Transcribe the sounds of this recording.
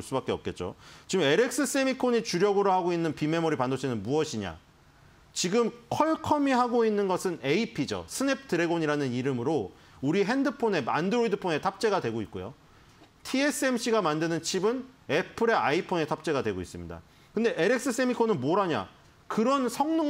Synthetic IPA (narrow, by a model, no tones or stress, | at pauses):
ɭs͈ubak͈eʌp̚k͈e̞t̚t͡ɕ͈o̰t͡ɕiɡɯme̞ɾek̚s͈ɯs͈emikʰoɲit͡ɕuɾjʌɡɯɾoɭhaɡoinːɯnpime̞moɾipandot͡ɕʰenɯnmuʌɕʰiɲa̰ | t͡ɕiɡɯmkʰʌɭkʰʌmiɦaɡoinːɯnɡʌsʰɯne̞ipʰid͡ʑo̰sʰɯne̞p̚ʰtɯɾe̞ɡoɲiɾanɯniɾɯmɯɾo | uɾiɦe̞ndɯpʰone̞a̰ndɯɾoidɯpʰone̞tʰap̚t͡ɕ͈e̞ɡadwe̞ɡoit̚k͈ojo̰ | tʰie̞s͈ɯe̞mɕ͈iɡamandɯnɯnt͡ɕʰibɯne̞pʰɯɾe̞aipʰone̞tʰap̚t͡ɕ͈e̞ɡadwe̞ɡoḭs͈ɯmɲḭda̰ | kɯnde̞ʔeɾe̞k̚s͈ɯs͈emikʰːonɯnmoɾaɲa̰ | kɯɾʌnsʰʌŋnɯ